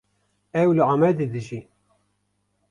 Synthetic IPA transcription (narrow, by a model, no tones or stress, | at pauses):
æwlʕmæd̪iðʒi